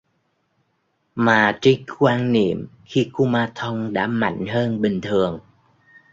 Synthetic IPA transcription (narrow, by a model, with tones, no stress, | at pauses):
maː˨˩t͡ɕi˧ŋkwaː˧nnḭ˧˨əmxi˧ku˧maː˧t̪ʰə˧wŋ͡mɗa̰ː˧˥ma̰˧˥jŋ̟ɦəː˧nɓï˨˩ŋ̟t̪ʰɨ˨˩əŋ